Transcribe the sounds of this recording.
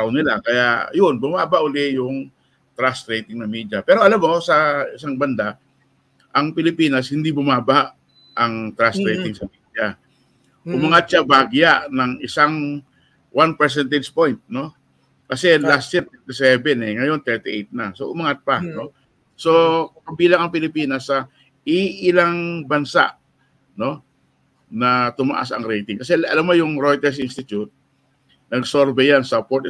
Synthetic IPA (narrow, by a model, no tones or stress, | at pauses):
tawnɪlakɐjajʊnbʊmaːbaʔʊlɛjʊŋ | t̪ɾast̪ɾejt̪ɪŋnɐmiːd͡ʒapɛːɾo̞ʔɐlamːosɐɪs̬aŋbɐnd̪a | ʔɐŋpɪlɪpiːnɐshɪnd̪ibʊmaːbaʔ | ʔɐŋt̪ɾast̪ɾejt̪ɪŋsɐmiːd͡ʒa | ʔʊmɐŋat̪̚t͡ʃabaɡjaʔnɐŋɪsaŋ | wanpɛɾs̬ɛnt̪ɛd͡ʒpojnt̪̚no̞ | kɐsɛlasjiɾt̪ɛt̪ɪsɛbɛnɛŋɐjo̞nt̪ɛɹt̪ɪʔejt̪̚nɐsoʔʊmɐŋat̪̚pano̞ | so̞kkɐbiːlɐŋɐŋpɪlɪpiːnɐsɐ | ʔɪʔɪlaŋbɐnsa̰ʔ | no̞ | nɐt̪ʊmɐ̰ʔa̰sɐ̰ŋɾɛjt̪ɪŋkɐs̬ɛɐ̰lamːojʊŋɾojt̪ɛɹs̬ʔɪnst̪ɪt̪jʊt̪̚ | nɐɡsoɾbɛjansɐpoɾt̪